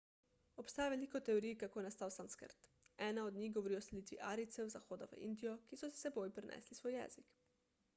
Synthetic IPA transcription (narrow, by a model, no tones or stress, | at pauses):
ɔpst̪aːjaʋeliːkɔt̪ɛɔɾijkakoːjɛnast̪aːwsaːmskə̰ɾt̪ | ɛːnaɔd̪nʲiɣɡɔʋɔɾiːɔsɛliːt̪ʋḭʔaːɾit̪sɛwzaxoːd̪aʋə̰ʔḭnd̪ijɔkisɔsi̥sɛboːjpɾɛnʔɛ̰ːslisʋoːjːɛ̰ːzik